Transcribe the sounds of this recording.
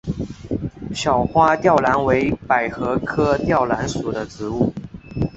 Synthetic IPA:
ɕjɑ˨˩ʊxwa˥t̪jɑ˥˩ʊla˧˥nwe˧˥ɪpa˨˩ɪxɤ˧˥kʰɤ˥t̪jɑ˥˩ʊla˧˥nsu˨˩d̪ə˦ʈ͡ʂɻ̩˧˥u˥˩

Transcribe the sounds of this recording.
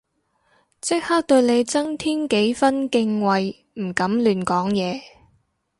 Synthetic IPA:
t͡sɪ˥k̚ha˥k̚t̪ɵ˧ɥne˨˧jt͡sɐ˥ŋt̪ʰiː˥nke˨˥jfɐ˥nkɪ˧ŋwɐ˨j | m̩˨˩kɐ˨˥mlyː˨nkɔː˨˥ŋjɛː˨˧

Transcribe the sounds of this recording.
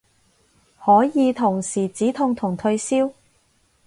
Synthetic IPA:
hɔː˨˥jiː˨˧t̪ʰʊ˨˩ŋsiː˨˩t͡siː˨˥t̪ʰʊ˧ŋt̪ʰʊ˨˩ŋt̪ʰɵ˧ɥsiː˥w

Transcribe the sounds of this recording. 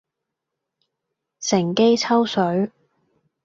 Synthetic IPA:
sɪ˨˩ŋke˥jt͡sʰɐ˥wsɵ˨˥ɥ

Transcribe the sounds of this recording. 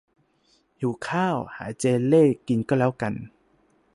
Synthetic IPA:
juː˨˩kʰaː˥˩wha̰ː˨˩˦t͡ɕeː˧leː˥˩˨ki˨nkɔː˥˩lɛː˦˥˩wka˧n

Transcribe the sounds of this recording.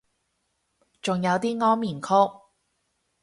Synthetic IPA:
t͡sʊ˨ŋjɐ˨˧wt̪iː˥ŋɔː˥ŋmiː˨˩nkʰʊ˥k̚

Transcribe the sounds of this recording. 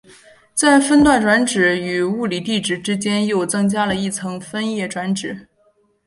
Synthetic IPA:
t͡sa˥˩ɪfə˥nt̪wa˥˩nʈ͡ʂwa˧˥nʈ͡ʂɻ̩˨˩˦y˨˩u˥˩li˨˩t̪i˥˧ʈ͡ʂɻ̩˥˩ʈ͡ʂɻ̩˥t͡ɕjɛ˥njo˥˩ʊt͡sɤ˥ŋt͡ɕja˥lə˨i˥˩t͡sʰɤ˧˥ŋfə˥njɛ˥˩ʈ͡ʂwa˧˥nʈ͡ʂɻ̩˨˩˦

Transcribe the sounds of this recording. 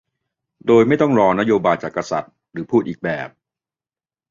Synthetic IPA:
doː˧jma˥˩jt̪ɔ˥˩ŋɾɔː˧na˥joː˧baː˧jt͡ɕaː˨˩kːa˧sa̰˨˩t̪̚ | ɾɯː˩˦pʰuː˥˩t̪̚iː˨˩k̚bɛː˨˩p̚

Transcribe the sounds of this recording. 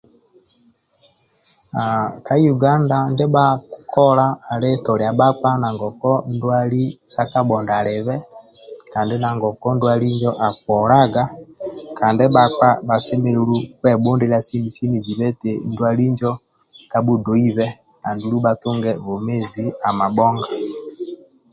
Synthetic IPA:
a˨ka˦ju˨ɡa˦nda˨nde˦ba˦kʰɔ˦laː˦˨le˦tɔ˨ɾi˨a˨ba˦k͡pa˦na˨ŋɡɔ˨kɔ˦ndwa˦li˦sa˦ka˦bɔ˨nda˨le˨βɛ˦kaː˨nde˦na˨ŋɡɔ˨kɔ˦ndwa˦li˦ɲd͡ʒɔ˦ʔa˨kɔ˨ɾa˦ɡa˦ka˨nde˦ba˦k͡pa˦ba˨sɛ˦me˨˦lu˦lu˦kwɛ˦bo˦ndi˦la˦si˦ni˨si˦ni˨d͡ʒi˨βɛ˦te˨ndwa˦li˦ɲd͡ʒɔ˦ | ka˨bu˦do˨˦i˦βɛ˦ | na˨ndu˨ɾu˦ba˨tu˦ŋɡɛ˦βo˨me˦zi˨a˨ma˨bɔ˦ŋɡa˨

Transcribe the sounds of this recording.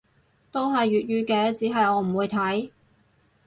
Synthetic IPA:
t̪o˥wɦɐ˨jɥyː˨t̚ɥyː˧kɛː˧t͡siː˨˥ɦɐ˨jɔː˨˧m̩˨˩wuː˨˧jt̪ʰɐ˨˥j

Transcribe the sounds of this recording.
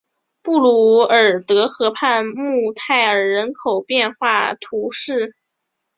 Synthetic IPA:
pu˥˩lu˧˥ə˞˨˩t̪ɤ˧˥xɤ˧˥pʰa˥˧nmu˥˧t̪ʰa˥˩ɪə˞˨˩ɻə˧˥nkʰo˨˩ʊpjɛ˥˧nxwa˥˩t̪ʰu˧˥ʂɻ̩˥˩

